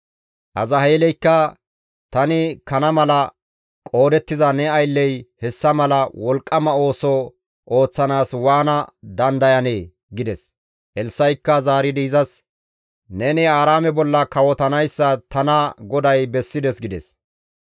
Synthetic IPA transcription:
ʔɐzɐɦeːlɛjkːɐ | t̪ɐnɪkɐnɐmɐlɐ | kʼo̞ːd̪ɛt̪ːɪzɐnɛɐjlːɛjhɛsːɐmɐlɐwɔlkʼːɐmɐo̞ːsɔ | ʔo̞ːt͡sːɐnaːswaːnɐd̪ɐnd̪ɐjɐneː | ɡɪd̪ɛs | ʔɛlsːɐjkːɐzaːɾɪd̪iːzɐs | nɛnɪaːɾaːmɛbɔlːɐkɐwɔt̪ɐnɐjsːɐt̪ɐnɐɡɔd̪ɐjbɛsːɪd̪ɛsɡɪd̪ɛ̰s

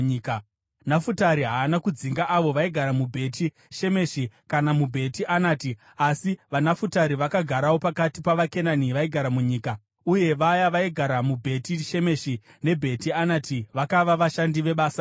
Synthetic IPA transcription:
k | nafutaɾiɦaːnakud͡ziŋɡaʔaʋo̞ʋaiɡʱaɾamubʱe̞ːtʰi | ʃe̞me̞ʃikanamubʱe̞tiʔanaːti | asiʋanafutaɾiʋakaɡʱaɾawo̞pakatipaʋake̞naniʋaiɡʱaɾamuɲiːka | uje̞ʋajaʋaiɡʱaɾamubʱe̞tiʃe̞me̞ʃi | ne̞bʱe̞tianatiʋakaʋaʋaʃandiʋe̞ɓaːsa

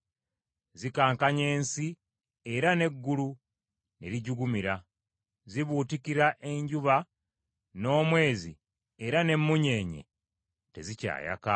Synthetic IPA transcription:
zikaːŋkaɲe̞ːnsi | e̞ɾane̞ɡːulu | ne̞̰ɾiɟuɡumiɾa | ziβuːtikiɾaʔe̞ɲɟuβa | no̞ːmwe̞ːzi | eɾane̞mːuɲe̞ːɲe̞̰ | te̞̰zica̰ːja̰ka

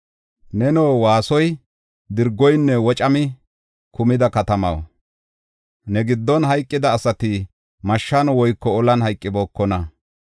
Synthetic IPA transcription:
nɛnoːwaːsɔj | d̪ɪɾɡɔjnːɛwɔt͡ʃʼɐmɪ | kʊmɪd̪ɐkɐt̪ɐmɐ̰w | nɛɡɪd̪ːɔnɦɐjkʼːɪd̪ɐːsɐt̪ɪ | mɐʃːanɔwɔjkːɔɔlɐnhɐjkʼːɪboːkːɔnɐ

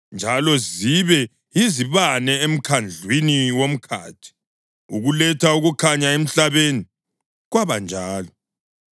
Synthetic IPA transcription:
nd͡ʒʱalɔziβɛ | iziβanɛem̩kʰand͡ɮʱwiniwom̩kʰa̰ːtʰi̥ | uɣulɛtʰauɣukʰaɲaem̩ɬaβeni | ɣwaβand͡ʒʱaːlɔ

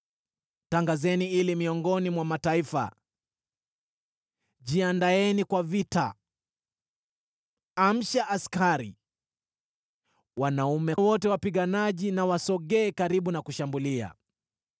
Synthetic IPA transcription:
taŋɡazɛniilimiɔŋɡɔnimwamataifa̰ | ʄiandaɛnikwavita̰ | am̩ʃaʔaskaɾḭ | wanaumɛwɔtɛwapiɠanaʄinawasɔɠɛːkaɾiɓunakuʃambulia̰

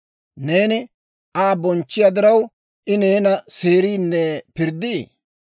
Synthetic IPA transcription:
ne̞ːnɪ | ʔaːbɔnt͡ʃːɪjad̪ɪɾɐw | ʔɪne̞ːnɐse̞ːɾiːnːɛpɪɾd̪iː

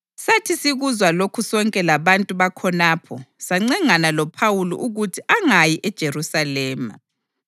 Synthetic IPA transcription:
satʰisiɣuzwalokʰusɔŋkʼɛlaβantʼuβakʰɔnaːpʰɔsaŋ͡ǀɛŋanalɔpʰawulɔ̰ʔuɣutʰiʔaŋajiʔɛd̥ʒ̥ʱerusalɛːma̰

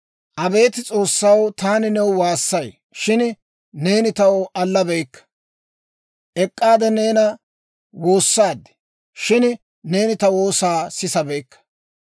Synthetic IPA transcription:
ʔɐbe̞ːt̪ɪt͡sʼo̞ːsːɐwt̪aːnɪnɛwʊwaːsːɐj | ʃɪn | ne̞ːnɪt̪ɐwɔʔɐlːɐbɛjkːɐ̥ | ʔɛkʼːaːd̪ɛne̞ːnɐ | wo̞ːsːaːd̪ɛ̥ | ʃɪn | ne̞ːnɪt̪ɐwo̞ːsaːsɪsɐbejkːɐ̥

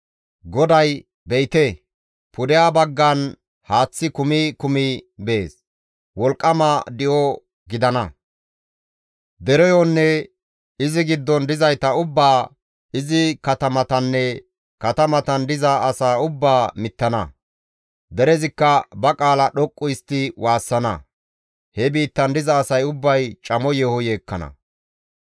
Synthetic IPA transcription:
ɡɔd̪ɐj | bɛjt̪e | pʊd̪ɛjaːbɐɡːɐn | haːt͡sːɪkʊmɪkʊmɪbeːs | wɔlkʼːɐmɐd̪ɪʔɔ | ɡɪd̪ɐnɐ | d̪ɛɾɛjɔnːɛ | ɪzɪɡɪd̪ːɔnd̪ɪzɐjt̪ɐʊbːaː | ɪzɪkɐt̪ɐmɐt̪ɐnːɛ | kɐt̪ɐmɐt̪ɐnd̪ɪzɐːsaːʊbːaːmɪt̪ːɐnɐ̰ | d̪ɛɾɛzɪkːɐbɐkʼaːlɐɗɔkʼːʊjɪst̪ːɪwaːsːɐnɐ | hɛbiːt̪ːɐnd̪ɪzɐːsɐjʊbːɐjt͡ʃʼɐmɔjɛhɔjeːkːɐnɐ̰

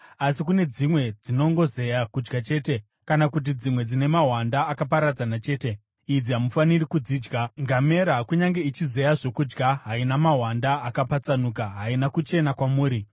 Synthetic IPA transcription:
asikune̞d͡zimwe̞d͡zino̞ŋɡo̞ze̞jakud͡ʒɡat͡ʃe̞ːte̞ | kanakut̬id͡zimwe̞d͡zine̞maɦwandaːkapaɾad͡zanat͡ʃe̞ːte̞ | id͡ziɦamufanirikud͡ziːd͡ʒɡaŋɡame̞ɾakuɲaŋɡe̞it͡ʃize̞jaʐo̞kud͡ʒɡaɦainamaɦwandaːkapat͡sanuk̬aɦainakut͡ʃe̞nakwamuːɾi

